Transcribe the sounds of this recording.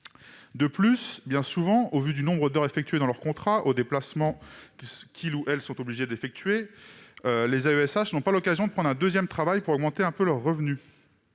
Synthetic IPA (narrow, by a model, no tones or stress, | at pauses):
d̪əplysbjɛ̃suvɑ̃ovyd̪ynɔ̃bʁəd̪œʁefɛk̚t̪yed̪ɑ̃lœʁkɔ̃t̪χaʔod̪eplasmɑ̃kikʲʰiluʔɛlsɔ̃t̪obliʒed̪efɛk̚t̪ɥe | ølezaøɛsaʃnɔ̃palɔkazjɔ̃d̪əpχɑ̃nʁɛ̃d̪øzjɛmt̪χavajpuʁɔɡmɑ̃t̪eɛ̃pølœʁːəvny